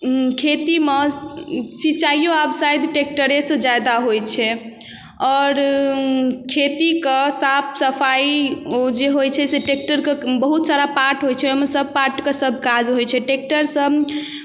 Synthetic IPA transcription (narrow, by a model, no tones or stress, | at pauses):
kʰet̪ime | sit͡ʃaijoabsajd̪ʈek̚ʈəɾesə̃d͡ʒad̪aɦojt͡ʃʰɛ | ɔːɾ | kʰet̪ikesapʰsəpʰaiod͡ʒeɦojt͡ʃʰɛseʈek̚ʈəɾkebəɦut̪saɾapaɾʈɦojt͡ʃʰɛomesəb̚ʱpaɾʈkesəbʱkad͡ʒɦojt͡ʃʰɛʈek̚ʈəɾsəb